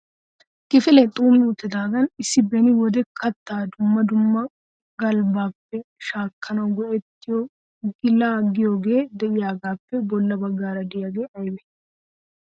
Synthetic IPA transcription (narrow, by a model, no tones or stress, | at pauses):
kʼɪfɪlɛt̪ʼuːmɪjuːt̪ːɪd̪aːɡɐnɪsːɪbɛnɪwɔd̪ɛkʰɐt̪ːaːd̪ʊmːɐd̪ʊmːɐ | ɡɐlbaːpːɛʃaːkːɐnɐwɡɔʔɛt̪ːɪjɔ | ɡɪlaːɡɪjoːɡe̞ːd̪ɛʔɪjaːɡaːpːɛbɔlːɐbɐɡːaːɾɐd̪ɪjaːɡeːʔɐjbɛ